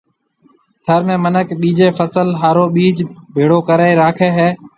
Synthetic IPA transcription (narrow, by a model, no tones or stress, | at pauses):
t̪ʰəɾmẽːmənəkɓiːd͡ʒeːfəsəlɦaːɾoːɓiːd͡ʒbʱeːɽoːkəɾaːeːɾaːkʰeːɦeː